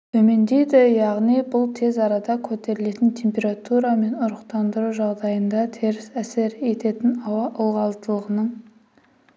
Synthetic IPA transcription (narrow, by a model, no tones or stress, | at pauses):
t̪ʰɵme̞nd̪e̞jd̪ɪjɑʁnijbʊlˠt̪ʰe̞zɑɾɑd̪ɑkʲʰɵt̪e̞ɾɪle̞t̪ɪnt̪ʲʰe̞mpʲe̞ɾat̪uɾɑme̞nʊɾəqt̪ɑnd̪əɾuʒɑʁd̪ɑjənd̪ɑt̪ʰe̞ɾɪsæse̞ɾe̞t̪e̞t̪ɪnɑwɑʔʊlˠʁɑlˠt̪əlˠəʁənəɴ